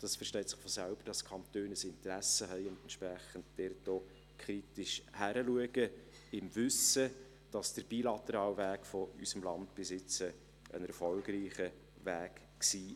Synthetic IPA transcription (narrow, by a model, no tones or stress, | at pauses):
d̥ɑsfərʃtɛɪtsɪ̥χfɔsælb̥əɾd̥ɑskʰɑnt̪øːnəsɪntəɾæsəɦɛɪʊndɛntʃpɾæχəndd̥ɛrtoː | kʰɾitɪʃhæɾəluəɡ̥ə | ɪmvʏsə | d̥ɑsd̥əɾb̥ilɑt̪əɾɑːlvæːkfɔysəmlɑndb̥ɪsɪt͡sə | ʔə̰nɛɾfɔlɡriːχə | væːk | ksiː